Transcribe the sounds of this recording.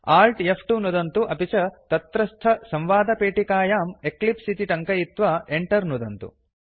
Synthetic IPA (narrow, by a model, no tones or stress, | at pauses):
aːlʈepʰʈunud̪ɐnt̪uʔɐpit͡ʃɐt̪ɐt̪ɾɐst̪ʰɐsɐ̃mʋaːd̪ʱɐpeːʈikaːjaːmeklipsit̪iʈɐŋkɐjit̪ʋɐeɳʈɐɾnud̪ɐnt̪ṵ